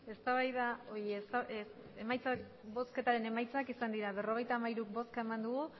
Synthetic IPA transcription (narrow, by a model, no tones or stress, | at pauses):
e̞st̪aβajðao̞iest̪a | emajt͡sak | bo̞ske̞t̪aɾe̞ne̞majt͡sakisand̪iɾaβe̞ro̞ɣ̞e̞jt̪aːmajɾuk̚bo̞skae̞mand̪uɣ̞u